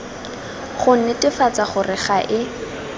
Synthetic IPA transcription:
χʊn̩nɪtʼɪfat͡saχʊrɪχaʔɪ

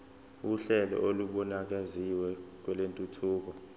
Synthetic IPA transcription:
uɬɛlɔ̰ʔoluɓɔnak̬aziwɛk̬wɛlentʼutʰuːk̬ɔ

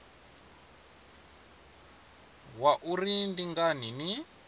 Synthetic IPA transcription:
waʔurindiŋɡanini

